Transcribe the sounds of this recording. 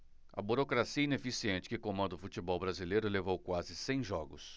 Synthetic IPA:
ɐ̰buɾokɾasiɐinefisiẽnt͡ʃɪ̥kɪkõmɐ̃d̪ʊfut͡ʃibɔwbɾazilejɾʊlevowkwazɪsẽj̃ʒɔɡʊs

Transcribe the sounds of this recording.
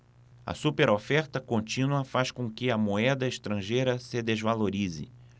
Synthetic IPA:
ɐ̰supeɾofɛɾt̪ɐkõnt͡ʃĩnuɐfaʃkõkɪɐmoɛd̪ɐeʃt̪ɾɐ̃ʒejɾɐsɪd̪ezvaloɾizɪ̰

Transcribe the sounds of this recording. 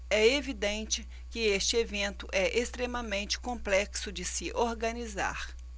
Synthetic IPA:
ɛevid̪ẽnt͡ʃɪ | kɪest͡ʃɪevẽnt̪ʊʔɛʔest̪ɾemɐmẽnt͡ʃɪ̥kõmplɛksʊd͡ʒɪsɪʔoɾɡɐniza̰ɾ

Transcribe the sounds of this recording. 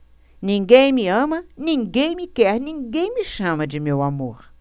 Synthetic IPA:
niŋɡejmiəmaniŋɡejmikehniŋɡejmiʃãmad͡ʒimjowamox

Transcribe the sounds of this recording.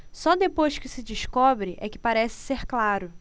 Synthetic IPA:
sɔd̪epojʃkɪsɪd͡ʒɪʃkɔbɾɪʔɛkɪ̥paɾɛsɪ̥seɾklaɾʊ

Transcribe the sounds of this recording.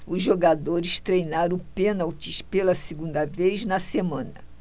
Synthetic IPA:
ʊzʒoɡad̪oɾɪst̪ɾejnaɾɐ̃penawt͡ʃiʃpelɐsiɡũnd̪ɐvejznɐsemɐ̃nɐ

